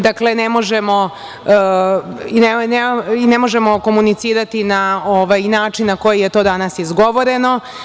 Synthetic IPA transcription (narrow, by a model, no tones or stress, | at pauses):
d̪akle̞nemo̞ʒemo̞ | ineneinemo̞ʒe̞mo̞ko̞munit̪siːɾat̪inaoʋajnaːt͡ʃinːako̞jije̞t̪o̞ːd̪anasizɡo̞ʋo̞ɾe̞no̞